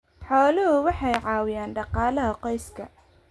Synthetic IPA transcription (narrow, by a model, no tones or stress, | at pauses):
ħɔːlʊɦʊwɑħɑjʕɑːwɪjaːnɖɑqɑːlɐɦɐqɔjskʰɐ